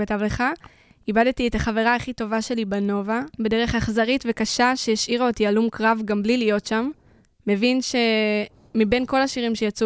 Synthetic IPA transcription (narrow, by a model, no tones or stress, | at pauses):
katavleχa | ibadtietaχave̞ʁaːχito̞vaʃe̞libano̞vabe̞de̞ʁe̞χaχzaʁitve̞kaʃaʃejaʃiʁotialumkʁavɡamblilijo̞tʃamː | e̞vinʃe̞ | mibe̞nko̞laʃiʁimʃe̞jat͡su